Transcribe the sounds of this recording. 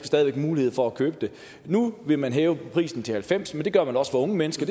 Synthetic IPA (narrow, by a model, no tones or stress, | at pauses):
sd̥ɛːð̞ˠiʋeɡ̥muːlihe̝ð̰ˠfɒ̽ækʰøːb̥əd̥e̝ | nuʋe̝mænɦɛːʊəpʰʁḭːsn̩t͡sʰe̝hælfem̰smend̥e̝ɡ̥ɶɐmænɒ̽sfɒɔ̽ŋəmenəsɡ̥ɐd̥